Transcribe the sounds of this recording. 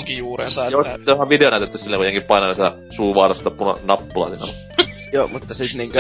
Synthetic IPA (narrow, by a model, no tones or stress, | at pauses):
ŋkijuːrḛnsɑjosit̪ːohɑʋʋideonæˑyt̪et̪ːæssilːeŋkujeŋkippɑˑinɑsit̪æ̰ | suːʋɑ̰ːrɑst̪ɑpːunɑ̰nɑpːulɑ̰sinɑ̰ | joːmut̪ːɑsit̪niŋk